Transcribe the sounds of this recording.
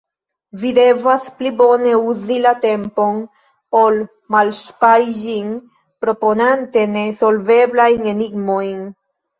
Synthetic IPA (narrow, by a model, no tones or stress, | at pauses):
vid̪evaspliboneuzilat̪empo̞n | pol | malspaɾid͡ʒin | pɾoponant̪enesolveblajneniɡmojn